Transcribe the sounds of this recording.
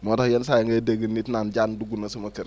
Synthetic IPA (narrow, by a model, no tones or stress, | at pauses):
mɔdɔhjɛnsajaŋɡedeɡinːitnand͡ʒanduɡunɐsumɐkiɾ